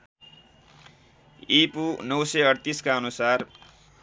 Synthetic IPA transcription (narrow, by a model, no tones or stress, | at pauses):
ipunʌwsʌʌɽt̪iskaʌnusar